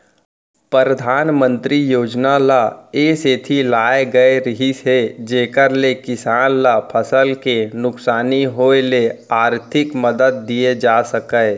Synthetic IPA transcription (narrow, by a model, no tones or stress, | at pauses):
pəɾəd̪ʱaːnmə̃nt̪ɾijoːd͡ʒnalaeːseːt̪ʰilaːeɡəeɾəɦised͡ʒeːkəɾlekɪsaːnlapʰəsəlkenʊksaːniɦoːeleaːɾt̪ʰɪkməd̪əd̪̚ːied͡ʒaːsəkə